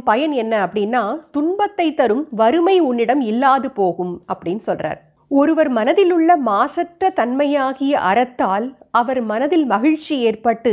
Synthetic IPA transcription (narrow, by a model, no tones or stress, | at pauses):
pɐjɐnɛnːɐɐpːɐɽɪnːaːt̪ʊɳbɐt̪ːɐɪt̪ːɐɾɯmʋɐɾɯmɐɪʊɳːɪɽɐmɪlːaːðɯpoːɣɯmɐpːɐɽɪnːsɔlra̰ːɾ | ɔɾɯʋɐɾmɐnɐðɪlɯɭːɐmaːsɐʈrɐt̪ɐnmɐjaːɣɪjɐʔɐɾɐt̪ːaːlɐʋɐɾmɐnɐðɪlmɐɣɪɻt͡ʃːieːrpɐʈːɯ